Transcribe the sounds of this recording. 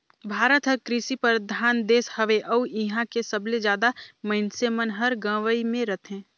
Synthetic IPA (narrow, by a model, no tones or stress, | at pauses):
bʱaːɾət̪ɦəɾkɾɪsipəɾd̪ʱaːnd̪eːshɐʋeʔəuʔɪɦãkesɐbled͡ʒjaːd̪amɐɪnsemənɦɐɾɡə̃ːʋəimẽɾɐt̪ʰẽː